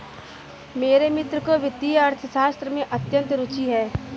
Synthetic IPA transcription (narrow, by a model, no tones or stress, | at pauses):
meːɾemɪt̪ɾəkoʋɪt̪ːijɐɾt̪ʰəʃaːst̪ɾəmẽʔɐt̪jə̃nt̪ɾʊt͡ʃiɦɛː